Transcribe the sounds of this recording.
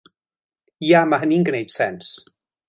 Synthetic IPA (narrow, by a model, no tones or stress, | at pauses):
jamaɦəninɡənejd̥sɛns